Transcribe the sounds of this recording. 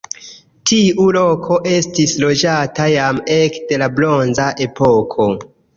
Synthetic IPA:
tʰiʔulo̞kʰo̞ʔe̞stislo̞d͡ʒatajamekde̞lablo̞nzaʔe̞pokʰo̞

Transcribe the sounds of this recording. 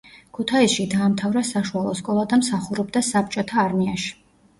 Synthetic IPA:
kʰut̪ʰaisʃid̪aːmt̪ʰavɾasaʃualˠɔskʼɔlˠad̪amsaχuɾɔb̚d̪asap̚t͡ʃʼɔt̪ʰaːɾmiaʃi̥

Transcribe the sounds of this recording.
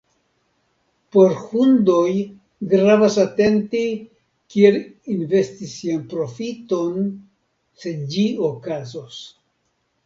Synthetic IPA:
po̞ɾhundo̞j | ɡɾavasate̞nti | kie̞linve̞stisːianpɾo̞fito̞n | se̞d͡ʒiokazos

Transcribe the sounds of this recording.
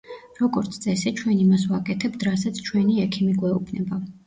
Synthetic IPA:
ɾɔɡɔɾt̪sʰd̪zʼɛsɛt͡ʃʰwɛnimas̬wakʼɛt̪ʰɛbt̪ɾasat̪sʰt͡ʃʰwɛniɛkʰimiɡwɛupʰnɛba

